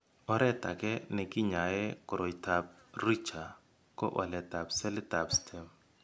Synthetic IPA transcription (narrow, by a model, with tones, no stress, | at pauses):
ɔ˨ɾɛ˦ta˨kɛ˦nɛ˨kɪ˦ɲa˨jɛ˦kʊ˨ɾo˨ta˨p̚ | ri˦t͡ʃa˨ | kɔ̰˦ʔa̰˨lɛ˨ta˨psɛ˦lɪ˦ta˨pstʰɛ˨m